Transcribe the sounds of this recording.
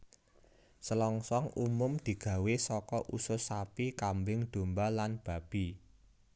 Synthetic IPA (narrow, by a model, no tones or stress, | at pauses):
səlɔŋsɔŋumʊmd̪̥i̤ɡ̥ä̤wesɔkɔʔusʊsapikambɪŋd̪̥o̤mbalanb̥ä̤b̥i